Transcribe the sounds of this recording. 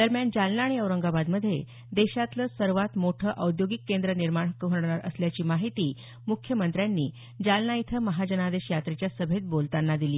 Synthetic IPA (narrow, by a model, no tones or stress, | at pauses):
d̪̥əɾmjand͡ʑalnaːɽ̃iəwɾəŋɡabad̪məd̪ʱːje | d̪eɕat̪ləsəɾʋat̪moʈʰəʔəwd̪joɡikːend̪ɾəniɾmaɳ̃kɦəɽɳ̃aɾə̰sljat͡ɕiːmaɦit̪iː | mukʰjəmənt̪ɾjanːiː | d͡ʑalnait̪ʰəməɦad͡ʑənad̪eɕjat̪ɾet͡ɕjasəbʱet̪̚bolt̪anːad̪iliː